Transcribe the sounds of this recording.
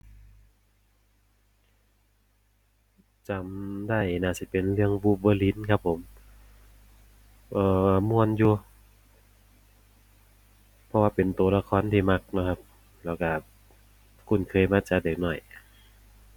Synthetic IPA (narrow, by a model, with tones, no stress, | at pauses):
t͡ɕa˨˦mdaː˧˥˩jnaː˧˩si˧˦pe˨nlɯ˧˨əŋbuː˧˦p̚bəː˧li˧˥˨nkʰa˧˥pʰːo˨˦m | ʔɤː˧˩˧mu˧ənjuː˧ | pʰɔ˧waː˧pe˨nt̪u˨˩˦la˧kʰɔː˧˥˨nt̪ʰiː˧ma˧k̚nɔ˧˥kʰa˧p̚ | lɛː˧˩wka˧˩ | kʰu˧˩nkʰɤː˧jmaː˧t͡ɕa˧deː˨˩k̚nɔ˧˩j